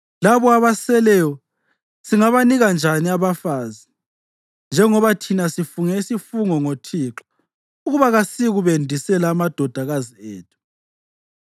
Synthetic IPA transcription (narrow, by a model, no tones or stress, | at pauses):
laβɔaβasɛlɛjɔ | siŋaβaniɣand͡ʒʱaniaβafaːzi | nd͡ʒʱɛŋɔβatʰinasifuŋɛisifuŋɔŋotʰiːǁɔ̥ | uɣuβaɣasiɣuβendʱisɛlaːmad̥ʱɔd̥ʱaɣazieːtʰu̥